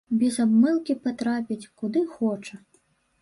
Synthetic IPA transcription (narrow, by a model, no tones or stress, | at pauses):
bʲɛzabmɨlˠkʲipat̪ɾapʲit͡sʲkud̪ɨxɔt͡ʂɐ